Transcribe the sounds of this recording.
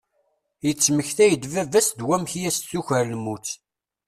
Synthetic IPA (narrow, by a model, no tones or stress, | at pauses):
jət͡sːməçθæjəd̪vævæsd̪wæmçjæst͡sːuçəɾlmut͡sː